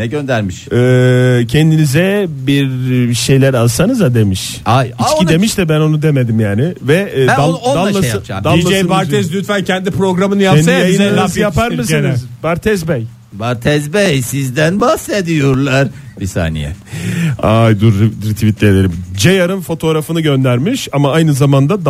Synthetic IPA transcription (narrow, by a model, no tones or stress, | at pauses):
nɛɟø̞nd̪æɾmiʃɛːcʰɛnd̪inizɛbiɾʃe̞jlʲæɾalsanɯzad̪e̞miʃ | ajiat͡ʃocid̪emiʃt̪ɛbæno̞nud̪emed̪imjaːnɪvɛːæd̪aoalˠamajat͡ʃad̪alimad͡ʒɛnbaɾʰɛzlʲyt̪fæncʰɛnd̪ipɾo̞ɡɾamɯnɯjansaejiizjjapʰaɾmɯsinizbaɾt̪ʰɛzbɛj | baɾt̪ʰɛzbɛjsizd̪ænbahsed̪ijoɾlˠaɾbisa̰ːnḭjɛ̰ | ajd̪uɾɾt̪ʰivit̪ʰlʲelʲeɾid͡ʒejaɾɯnfo̞t̪ʰo̞ɾafɯnɯɟø̞nd̪æɾmiʃamaajnɯzamand̪ad̪